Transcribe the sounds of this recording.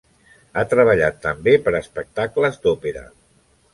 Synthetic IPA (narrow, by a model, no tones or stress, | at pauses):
at̪ɾəβ̞əʎa̰t̪ːəmbepəɾəspək̚t̪akləzd̪opeɾə̰